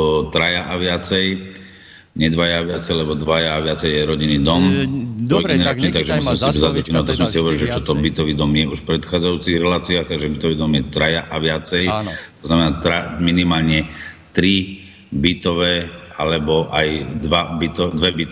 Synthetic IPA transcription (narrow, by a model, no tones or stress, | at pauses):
t̪ɾajaʔaʋɪat͡sɛj | ɲɛd̪ʋajaːʋɪat͡sɛjalɛbɔd̪ʋajaːʋɪat͡sɛjjɛɾɔɟiniːd̪ɔmt̪ɔjɡɛnɛɾat͡ʃnɲɛt̪aɡʒɛmusimɛsip̪uzad̪ɔt͡ʃinat̪ɔsmɛsiɦɔʋɔɾilʒɛt͡ʃɔt̪ɔbit̪ɔʋiːd̪ɔmjɛuʃfpɾɛt̪xaːd͡zajuːt͡siɣɾɛlaːt͡siaːxt̪aɡʒɛbit̪ɔʋiːd̪ɔmjɛt̪ɾajaʔaʋɪat͡sɛjt̪ɔznamɛnaːt̪ɾaminimaːlɲɛt̪ɾi | bit̪ɔʋɛʔalɛbɔʔajd̪ʋabit̪ɔd̪ʋɛbit̪